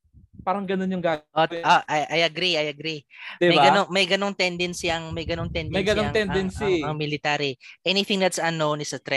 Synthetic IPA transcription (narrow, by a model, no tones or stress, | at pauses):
paːɾɐŋɡɐnonjʊŋɡaʔoʔoʔɐjʔɐjɐɡɾiɐjɐɡɾid̪ɪmɐjbaɡɐoŋmɐjɡɐnoŋt̪ɛnd̪ɛnsiʔɐŋmɐjɡɐnoŋt̪ɛnd̪ɐjɡɐnoŋt̪ɛnɛnsiɐŋmɪlɪt̪aɾiʔɛniθɪ̃ŋd̪ɐt̪sɐnːownɪsɐt̪ɾɛ